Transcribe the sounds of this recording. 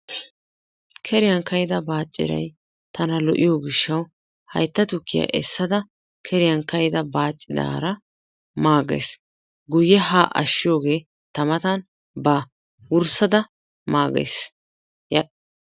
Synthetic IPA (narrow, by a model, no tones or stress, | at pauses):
kʰɛɾɪjɐŋkɐjɪd̪ɐbaːt͡ʃʼːɪ̰ɾɐ̰j | t̪ɐnɐlɔʔɪjoːɡɪʃːɐw | hɐ̰jt̪ːɐt̪ʊkːɪja̰ʔɛsːɐd̪ɐ | kʰɛɾɪjɐŋkɐjd̪ɐbaːt͡ʃʼːɪd̪a̰ːɾɐ | maːɡḛs | ɡʊjːɛɦaːʔɐ̰ʃːɪjo̞ːɡe̞ː | t̪ɐmɐt̪ɐn | ba | wʊɾsɐd̪ɐ | maːɡḛs | j